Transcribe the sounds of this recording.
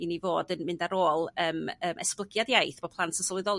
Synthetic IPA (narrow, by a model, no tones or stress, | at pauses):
inivoːdənmɪɨndaɾoːlˠəːməːmʔɛ̰splˠəɡjaðjajθb̥ɔpʰlˠantʰəsɔlˠɪðɔlˠ